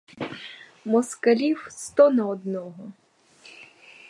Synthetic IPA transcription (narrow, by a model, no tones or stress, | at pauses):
mɔskɐlʲiwst̪ɔnɐɔd̪nɔɦɔ